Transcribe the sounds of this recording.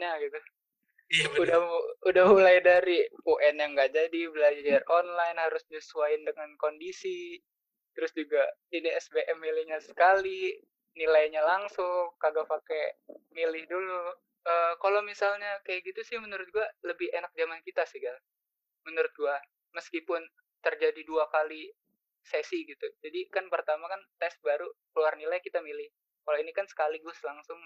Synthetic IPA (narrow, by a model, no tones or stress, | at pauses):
ɲaɡit̪u | udaudahmulajdaɾioʔɛnjaŋɡaʔd͡ʒadibəlad͡ʒad͡ʒaronlajnhaɾʊsɲasuaɪndəŋankondisi | t̪əɾʊsd͡ʒuɡainiɛsbeʔɛmːilɪhɲasə̥kali | nilajɲalaŋsʊŋkaɡapakemilɪhdulu | ʔəːkalomisalɲakajaʔɡit̪usɪhmənuɾʊt̪̚ɡualəbɪhenak̚d͡ʒamankit̪asiɡal | mənuɾʊt̪̚ɡua | məskipʊn | t̪ərd͡ʒadiduakali | sɛsiɡit̪ud͡ʒadikanpərt̪amakant̪ɛsbaɾukəluarnilajkit̪amilɪh | kalainikansə̥kaliɡʊslaŋsʊŋ